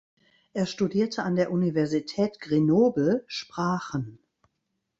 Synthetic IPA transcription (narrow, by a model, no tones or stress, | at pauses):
ʔeːɐʃtudiːɐtʰəʔandeːɐʔunivɛɐzitʰɛːtɡ̥ʁenoːbl̩ʃpʁ̥aːχən